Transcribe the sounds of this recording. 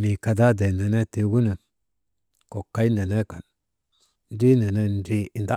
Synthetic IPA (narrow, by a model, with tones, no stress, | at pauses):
mi˨ka˧da˦de˨ne˨ne˦te˨ɡu˦nə˨ | ko˨ka˦i˦ne˨ne˦ka˨n | n˦d͡ʒi˦ne˨ne˦n˦d͡ʒi˦i˨nda˦